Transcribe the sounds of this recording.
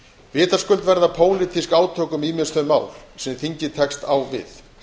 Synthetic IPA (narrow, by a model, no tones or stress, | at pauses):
vɪːt̪ḁskʏlt̪vɛɾðapʰoːwlɪt̪ʰiskaːwt̪ʰœːkʏmiːmɪst̪œma̰ːwlsɛmθiɲcɪt̪ʰɛkst̪awvɪ̰θ